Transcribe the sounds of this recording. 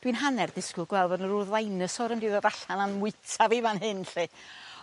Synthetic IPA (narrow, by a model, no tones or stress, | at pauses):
d̥winɦanɛrd̥ɪskʊɡ̥wɛlˠvɔnəɾʊðlˠajnəsɔɾəmdiðəɾaɬananmʊɨtʰavivanɦɨnɬi